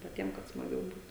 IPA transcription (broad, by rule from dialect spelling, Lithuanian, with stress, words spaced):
pɐˈtʲiɛm kɐt smɐˈɡʲɛʊ ˈbuːt